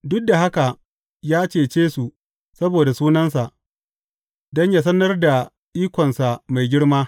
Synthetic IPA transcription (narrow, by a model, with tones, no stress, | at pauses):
dʊ˦k̚da˨ɦa˦ka˨ | jaː˦t͡ʃeː˨t͡ʃeː˦su˨ | sɐ˦boː˨da˨suː˦nɐ˦ns̬a˨ʔ | dɔ˦ɲjaː˦s̬ɐ˦nɐ˦rda˨ | ʔiː˦kʷɔ˨nsa˨ma˨jɡʲɪ˦ɽmaː˦